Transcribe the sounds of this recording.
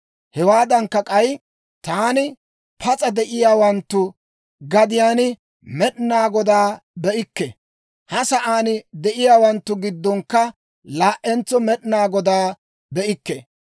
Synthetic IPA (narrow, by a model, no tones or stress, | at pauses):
hɛwaːd̪ɐŋkːɐkʼɐj | t̪aːnɪ | pʰɐt͡sʼɐd̪ɛʔɪjaːwɐnt̪ːʊ | ɡɐd̪ɪjaːnɪ | mɛɗnaːɡɔd̪aːbɛʔɪkːɛ | hɐsɐʔaːnɪd̪ɛʔɪjaːwɐnt̪ːʊɡɪd̪ːɔŋkːɐ | laːʔɛnt͡sːɔmɛɗnaːɡɔd̪aː | bɛʔɪkːɛ